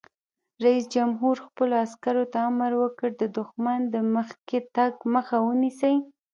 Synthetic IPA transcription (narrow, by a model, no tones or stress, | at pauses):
ɾaisd͡ʒamɦuɾxpəloaskaɾot̪aːmaɾwəkəɽd̪əd̪ʊxmand̪əməxket̪aɡməxawənisəj